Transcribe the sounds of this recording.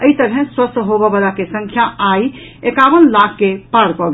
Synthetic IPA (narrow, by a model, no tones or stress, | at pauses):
əit̪əɾɦɛ̃swəst̪ʰɦobɔbalakesə̃ŋkʰjaʔai | ekabənlakʰːepaɾkɔɡ